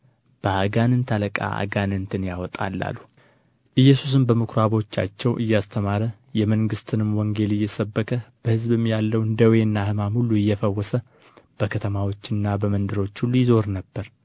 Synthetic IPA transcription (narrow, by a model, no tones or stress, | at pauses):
b̥əaɡanɨnt̪ʰaləkʼa̰ʔa̰ɡanɨnt̪ʰɨnjawɔt̪ʼa̰lːa̰lːu | ʔɨjːɛsus̬ɨnbəmɨkʰɾaβo̞t͡ʃːa̰t͡ʃːɛwʔɨjːast̪ʰəmaɾə | jɛməŋɡɨst̪ʰɨnɨmwɔŋɡe̞lɨjːɛsəbːəkʰʼəb̥əhɨzbɨmjalːəwɨnd̪əwenːahɨmamhulːuɨjːɛfəwːɔsə | b̥əkʰət̪ʰəmawo̞t͡ʃːɨnːabəmənd̪ɨɾo̞t͡ʃːhulːujɪzo̞ɾnəbːəɾ